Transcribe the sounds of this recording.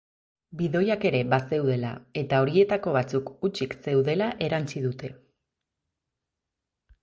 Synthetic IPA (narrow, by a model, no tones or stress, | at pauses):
biðo̞jake̞ɾe̞βase̞wð̞e̞la̰e̞t̪ao̞ɾie̞t̪ako̞βat͡sukut͡ʃikse̞wðe̞laʔe̞ɾant͡siðut̪e̞